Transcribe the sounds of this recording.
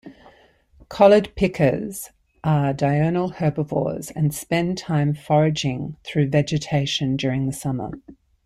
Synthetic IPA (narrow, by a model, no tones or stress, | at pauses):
kʰɒlˠəd̚pʰɪkʰəz̥ | ʔədaɪɜːnəl̩ˠhɜːbəvɔ̰ːz̥ə̃nspɛ̃ntʰãɪ̃ɱfɒɹɪd͡ʒɪ̃ŋθɹʉːvɛd͡ʒɨtʰeɪʃə̃nd͡ʒɔːɹɪ̃ŋðəsʌmə̰